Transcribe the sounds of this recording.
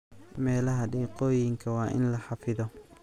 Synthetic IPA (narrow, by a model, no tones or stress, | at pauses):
mɛːlɐɦɐɖiːqɔːjɪŋkʰɐwɑːʔɪ̰nlɐħɑfɪðɔ